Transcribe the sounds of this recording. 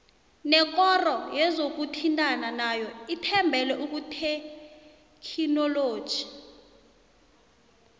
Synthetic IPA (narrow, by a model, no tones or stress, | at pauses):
nɛk̬ʼɔrɔjɛzok̬utʰintʼananajɔitʰɛmbʱɛlɛʔuk̬utʰe | kʰinɔloːd̥ʒ̥ʱi